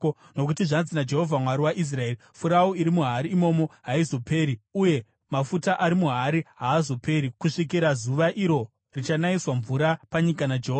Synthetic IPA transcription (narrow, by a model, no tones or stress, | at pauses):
no̞k̬utiʐanzinad͡ʒe̞ɦo̞vʱamwaɾiwaʔis̬rae̞ːrifuɾaoiɾimuɦaɾiːmo̞mo̞ɦaizo̞pʰe̞ːɾiuje̞ | mafutaʔaɾimuɦaɾiɦaːzo̞pʰe̞ɾikuʂik̬iɾazuʋaʔiɾo̞ | rit͡ʃanaiswaɱvuɾapaɲikanad͡ʒeɦoːa